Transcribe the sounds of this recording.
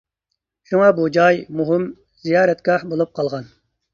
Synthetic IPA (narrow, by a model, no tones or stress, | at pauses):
ʃuŋɑbud͡ʒɑjmuɦɪm | z̥ijɑːɾɛt̪ɡ̥ʲɑħbolˠup̚qʰɑlˠʁɑn